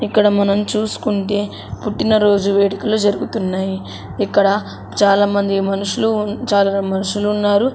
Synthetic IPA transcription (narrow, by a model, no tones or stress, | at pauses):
ikːɐɽɐmɐnɐmt͡ʃuːsu̥kuɳʈe̞ː | puʈːinɐɾo̞ːd͡ʒuʋɛːʈɐkɐlud͡ʒɐɾuɡut̪unːaːji | ikːɐɽɐ | t͡ʃaːlaːmɐnd̪imɐnuʂulut͡ʃaːlamɐnuʂulːnːaːɾu